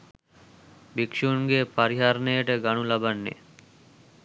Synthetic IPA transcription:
bikʃunɡepaɾiɦaɾnejəʈəɡaɳulabanːḛ

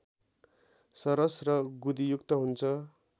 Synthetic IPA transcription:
sʌɾʌsrʌɡud̪ijukt̪ʌɦunt͡sʰʌ

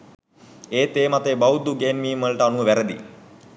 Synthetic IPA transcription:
eːt̪eːmat̪eːbɐwd̪uɡeːnmiːmʋəlʈəanuʋəʋæɾəd̪ḭ

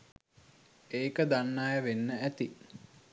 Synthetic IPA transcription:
eːkəd̪anːaːjəʋenːəæt̪i

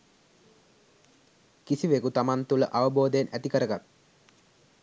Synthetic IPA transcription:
kisiʋekut̪amant̪ulə̰ʔaʋəboːd̪əjenæt̪ikəɾəɡat̪

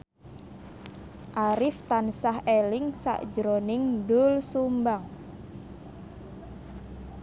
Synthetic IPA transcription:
ʔaɾɪft̪ansahelɪŋsa̰ʔd̥d͡ʒəɾonɪŋdʊlsumbaŋ

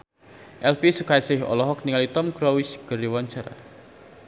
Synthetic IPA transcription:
ʔɛlpisukajsɪhɔ̰lɔɦɔk̚niŋalit̪ɔmɡɾɔwisɡ̥ə̤ɾiwɔɲt͡ʃə̰r

